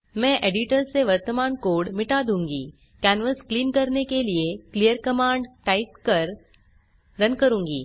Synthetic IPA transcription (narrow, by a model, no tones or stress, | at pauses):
mɛ̃ʔeɖiʈəɾseʋəɾt̪əmaːnkoːɽmɪʈad̪ũːŋɡḭː | kænʋəskliːnkəɾnekelieklijəɾkəmãːɳɖʈaiʈkəɾ | ɾənkəɾũːŋɡḭː